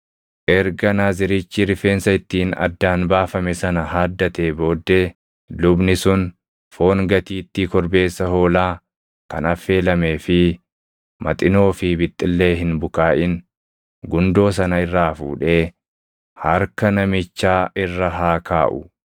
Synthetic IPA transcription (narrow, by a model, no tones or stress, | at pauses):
ʔɛɾɡɐnaːzɪɾɪt͡ʃːɪɾɪfeːnsɐɪt̪ːiːnɐ̰d̪ːaːnbaːfɐmɛsɐnɐɦaːd̪ːɐt̪e̞ːbo̞ːd̪ːeː | lʊbnɪsʊn | fo̞ːŋɡɐt̪iːt̪ːikɔɾbe̞ːsːɐho̞ːlaː | kɐ̰nɐfːe̞ːlɐme̞ːfɪ | mɐ̰t̪ʼɪno̞ːfɪbɪt̪ʼːɪlːe̞ːɦɪnbʊkaːʔɪn | ɡʊnd̪o̞ːs̬ɐnɐɪrːaːfṵːᶑe̞ː | hɐɾkɐnɐmɪt͡ʃːaːɪrːɐɦaːkaːʔʊ̰